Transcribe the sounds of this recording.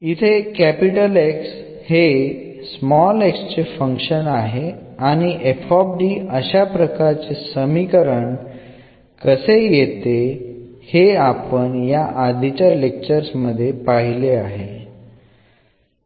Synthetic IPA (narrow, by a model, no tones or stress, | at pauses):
it̪ʰekæpiʈəleks | he | smɔlekst͡ɕefə̃ŋkɕənaɦeaɽ̃iʔefɔb̚ɖiːəɕapɾəkaɾt͡sesəmikəɾəɳ | kəsejet̪e | heapəɳjaʔad̪ʱit͡ɕalek̚t͡ɕəɾsməd̪ʱːjepaɦileaɦe